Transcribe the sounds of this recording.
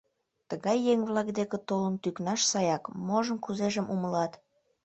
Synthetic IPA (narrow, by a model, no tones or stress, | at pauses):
t̪əɣɑjːeŋβlɑkd̪ekĕt̪olənt̪yknɑʃsɑjɑkmoʒə̆nkuzeʒəmʔuməlɑt̪